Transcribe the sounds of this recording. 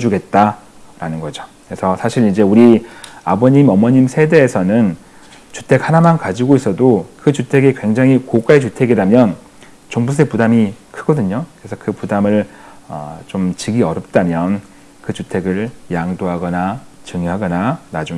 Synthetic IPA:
d͡ʑuɡe̞t̚t͈a | ɾanɯnɡʌd͡ʑo̥kɯesʰʌsʰaɕʰiɾind͡ʑe̞uɾiabʌɲimʌmʌɲimsʰede̞ːsʰʌnɯn | t͡ɕu̥tʰe̞khanamankad͡ʑiɡois͈ʌdokɯt͡ɕutʰe̞ɡekwe̞ŋd͡ʑaŋɦikok͈aet͡ɕutʰe̞ɡidamjʌn | t͡ɕoŋbus̬ʰepudamikʰɯɡ̥ʌdɯɲokkɯɾe̞sʰʌkɯpudamɯɭʌ̰t͡ɕomt͡ɕiɡiʌɾʌp̚t͈amjʌn | kɯt͡ɕutʰe̞ɡɯɭjaŋdoɦaɡʌnat͡ɕɯŋoɦaɡʌnanad͡ʑuŋ

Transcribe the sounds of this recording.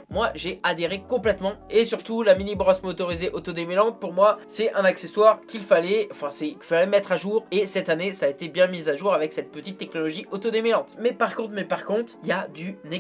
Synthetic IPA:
mwaʒead̪eʁekɔ̃plɛt̪mɑ̃esyʁt̪ulaminibʁɔsmot̪ɔʁizeʔot̪od̪emelɑ̃t̪̚puʁmwasɛɛ̃nakseswaʁkʲilfalɛɑ̃fɛ̃sɛkifalɛmɛt̪χaʒuʁesɛt̪anesaːet̪ebjɛ̃mizaʒuʁavɛksɛt̪̚pət̪it̪ːɛk̚nɔlɔʒiʔot̪od̪emelɑ̃t̪mɛpaʁkɔ̃t̪χmɛpaʁkɔ̃t̪χiljad̪yne

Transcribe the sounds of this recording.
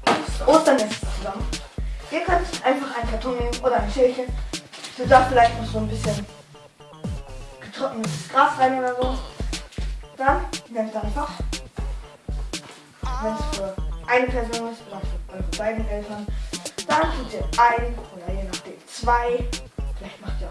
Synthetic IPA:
ʔoːstd̥anɛ̥t͡suzamənʔiːɐkʰœntʔaɪnfaχaɪnkʰaɐtʰɔŋneːbmənʔoːɾɐaɪnʃɛɐçənz̥odafɪlaɪçtnɔχz̥oːnbɪsçən | ɡ̥ətʁ̥ɔkŋ̩ɪssɡ̥ʁaːsʁaɪneːɐzoː | d̥anneːmtʔaɪnfaχ | vɛnsfyːɐʔaɪnəpʰɛɐzoːnɪstoːdɐaʊfyːɐʔɔʏʁəbaɪdn̩ʔɛltɐnd̥ankʰɛntiːɐʔaɪnʔoːdɐjeːnaχd̥ḛːmt͡sv̥aɪfɪlaɪçtmaχtiːɐ

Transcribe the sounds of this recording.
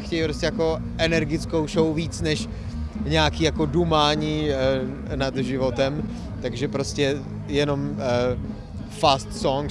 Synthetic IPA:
xcɛjpɾoscɛjako̞ | ʔɛnɛɾɡɪt͡sko̞wʃowviːt͡snɛʃ | ɲɛakiːjako̞dumaːɲiː | nad̪ʒɪvot̪ɛm | t̪aɡʒɛpɾo̞scɛ | jɛno̞m | fast̪soŋ

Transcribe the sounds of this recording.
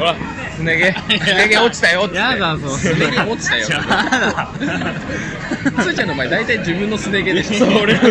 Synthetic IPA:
oɾa | sɨneɡesɨneɡeot͡ɕi̥t̪ajot̪ːad̪asoneɾʲiot͡ɕi̥t̪ajo | sɨt͡ɕãnomaed̪ait̪aid͡ʑibɯ̟̃nːo̞sɨneɡet̪eoɾe

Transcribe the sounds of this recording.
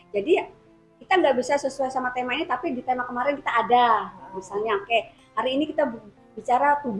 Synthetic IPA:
d͡ʒadia | kit̪aŋɡaʔbisasəsuajsamat̪emainit̪apidit̪emakəmaɾɪnkit̪aʔːdamisalɲaka | haɾiːnikit̪a | bit͡ʃaɾat̪ub

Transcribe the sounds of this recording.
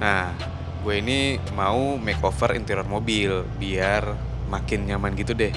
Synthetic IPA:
nah | ɡueini | maumɛkofərḭnt̪ɛɾɔrmobilbiar | makɪnɲamanɡit̪udɛh

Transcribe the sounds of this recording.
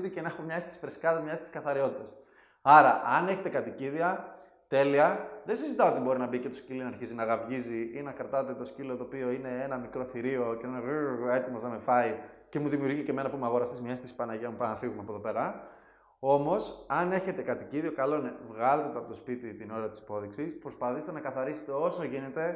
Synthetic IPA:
ðicenexomɲɐest̪i̥sfɾeskɐðɐmɲɐest̪i̥skɐθɐɾio̞t̪it̪ɐs | ɐɾɐʔɐne̞çe̞t̪e̞kɐt̪iciðiɐ | t̪e̞liɐðensizit̪ɐoo̞t̪ibo̞ɾinɐbice̞t̪oscilinɐɾçizinɐɣɐvʝiziinɐkɾɐt̪ɐt̪e̞t̪o̞scilot̪oːpio̞ine̞enɐmikɾo̞θiɾio̞cenɐnue̞t̪imoznɐme̞fɐice̞muðimijuɾʝiceme̞nɐpumeɐɣo̞ɾɐst̪izmiest̪isi̥pɐnɐʝɐmupɐnɐfiɣumeɐpoðopeɾɐ | o̞mo̞sɐne̞çe̞t̪e̞kɐt̪iciðio̞kɐlo̞nevɣɐlet̪et̪ɐpot̪ospit̪it̪ino̞ɾɐt̪isi̥po̞ðiksispɾospɐθiset̪enɐkɐθɐɾiset̪e̞o̞so̞ʝine̞t̪e̞

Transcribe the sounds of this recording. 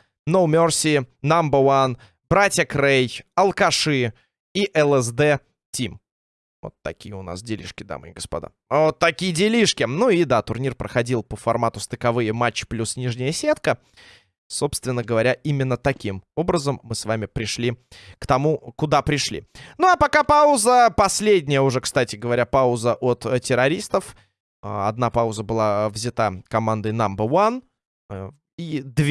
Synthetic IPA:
noʊmʲorsʲiːambəwan | b̥ɾatʲjəkrejɐlˠkɐʂɨ | iʔɛlˠɛzd̪ɛ | tʲim | vo̰t̪ːɐ̰kʲijəʊna̰sdʲɪlʲḭʂkʲɪd̪a̰mɨ̰jəɡəspɐ̰d̪a̰ | vot̪ːɐkʲijədʲɪlʲiʂkʲɪnuid̪at̪ʊrnʲirpɾəxɐdʲilˠpəfɐrmat̪ʊst̪əkɐvɨjəmat͡ɕːɪ̥plʲusnʲiʐnʲɪjəsʲet̪kə | so̞pst̪vʲɪnːəɡəvɐɾʲaʔimʲɪnːət̪ɐkʲimo̞bɾəzəmːɨsvamʲɪpɾʲɪʂlʲikt̪ɐmukʊd̪apɾʲɪʂlʲḭnuɐpɐkapaʊzəpɐsʲlʲedʲnʲɪjəʊʐɛkst̪atʲɪɡəvɐɾʲapaʊzəʔot̪tʲɪɾɐɾʲist̪əf | ɐd̪napaʊzəbɨlˠavzʲɪt̪akɐmand̪əjnambəvan | id̪vʲ

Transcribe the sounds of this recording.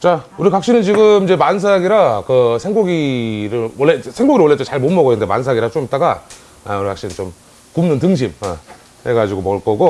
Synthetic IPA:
t͡ɕauɾikak̚ɕ͈inɯnt͡ɕiɡɯmid͡ʑe̞mans̬ʰaɡiɾakɯsʰeŋɡoɡiɾɯɭwʌɭːesʰeŋɡoɡiɾwʌɭːett͡ɕ͈et͡ɕaɭmonmʌɡʌenːɯndemans̬ʰaɡiɾat͡ɕomit͈aɡa | uɾikakɕ͈inɯnt͡ɕom | kumnɯntɯŋɕ̬ʰimʌ | he̞ɡad͡ʑiɡomʌɭk͈ʌɡo

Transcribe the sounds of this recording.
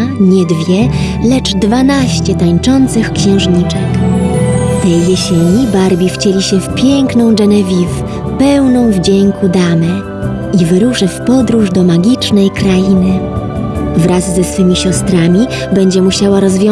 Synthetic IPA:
ɲɛd̪vʲjɛ | lɛt͡ʂd̪vanaɕt͡ɕɛt̪aɲt͡ʂɔnt̪sɘxkɕɛ̃w̃ʐɲit͡ʂɛk | t̪ɛjjeɕeɲibaɾbʲift͡ɕelʲiɕɛfpʲjɛŋknɔ̃w̃ʐɛnɛvʲif | pɛwnɔ̃w̃vd͡ʑeŋkud̪amɛ | ʔivɘɾuʂɘfpɔd̪ɾuʐd̪ɔmaɡʲit͡ʂnɛjkɾajinɘ | vɾazːɛsfɘmʲiɕɔst̪ɾamʲi | bɛɲd͡ʑɛmuɕawaɾɔzvʲjɔ

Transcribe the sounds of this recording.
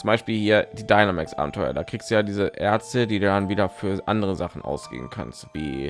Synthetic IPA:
t͡sʊmbaɪʃpiːlhiːɐd̥iːdaɪnamaksʔa̰ːbm̩tʰɔʏɐ̰daːkʁ̥iːkstd̥uːjaːdiːzəʔɛɐt͡stədiːduːdanviːdɐfyːɐʔandəʁəzaχn̩ʔa̰ʊsɡ̥ḛːbn̩kʰa̰nstv̥ḭː

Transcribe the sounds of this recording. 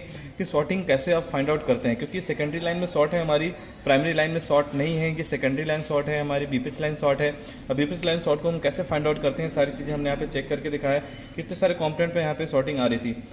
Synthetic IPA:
kisɔːʈɪ̃ŋɡkɛːseabfãːɪ̃ɳɖaːʊʈkɐɾt̪eɦɛ̃kjõːkijesɛkə̃ɳɖəɾilaːɪnmẽsɔːʈɦɛɦɐmaːɾi | pɾaːɪmɛɾilaːɪnmẽsɔːʈnɐɦĩɦɛ̃jesɛkə̃ɳɖəɾilaːɪnsɔːʈɦɛɦɐmaːɾibiːpet͡ʃlaːɪnsɔːʈɦɛː | bʱiːpet͡ʃlaːɪnsɔːʈ̚koɦɐmkɛːsefãːɪ̃ɳɖaʊʈkɐɾt̪eɦɛ̃saːɾit͡ʃiːzẽɦɐmnejɐɦãpet͡ʃɛːkːɐɾked̪ɪkʰaːj | kiɪt̪nesaːɾekɔ̃ːmpnɛ̃ɳʈ̚pejɐɦãːpesɔːʈɪ̃ŋɡaːɾɐɦit̪ʰiː

